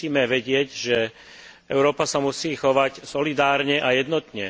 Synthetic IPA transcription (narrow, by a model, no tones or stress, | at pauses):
iːmɛʋɛɟɪɛɟʒɛ | ɛʊɾɔːpasamusiːxɔʋacsɔlid̪aːɾɲɛʔajɛd̪nɔt̪ɲɛ